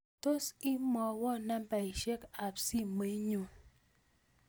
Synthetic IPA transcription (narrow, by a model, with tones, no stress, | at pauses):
to˦si˦mɔ˨wɔ˦˨na˦m̩˦pa˨i˨ʃe˦ka˨p̚si˦m̩˨me˨i˦ɲo˨